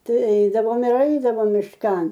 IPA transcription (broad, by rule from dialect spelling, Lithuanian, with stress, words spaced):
ˈtɐɪ ɛɪdɐʋoːm ɪr ˈɛɪdɐʋoːm mʲɪʃˈkɐn